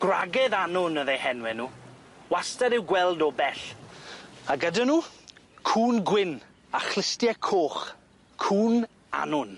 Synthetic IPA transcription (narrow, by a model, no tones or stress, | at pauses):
ɡ̥ra̰ɡɛðanʊnəðehɛnwɛnuː | wastaɾɪwɡwɛlˠdɔbɛɬ | aɡədənuːkʰuːnɡwɪn | aχlˠɪstjɛkʰoːχ | kʰuːn | a̰nʊn